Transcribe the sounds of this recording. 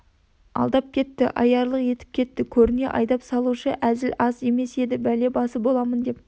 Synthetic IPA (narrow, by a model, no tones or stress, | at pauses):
ɑ̰lˠd̪ɑp̚kʲʰe̞t̪ːɪʔɑ̰jɑɾlˠəqje̞t̪ɪ̥p̚kʲe̞t̪ːɪkʲʰɵɾɪne̞̰ʔɑ̰jd̪ɑpsɑlˠuʃəʔæzɪlʔɑze̞me̞se̞d̪ɪbæle̞bɑsəbo̞lˠɑmənd̪e̞p̚